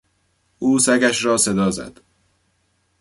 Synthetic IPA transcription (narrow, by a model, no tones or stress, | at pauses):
ʔuːsæɡæʃɾɒːse̞d̪ɒːzæ̰d̪̥